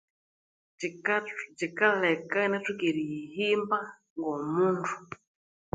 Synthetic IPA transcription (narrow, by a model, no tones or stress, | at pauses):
d͡ʒikalɛkanɛtukiɾiɦimba | ŋɡɔmuntʰu̥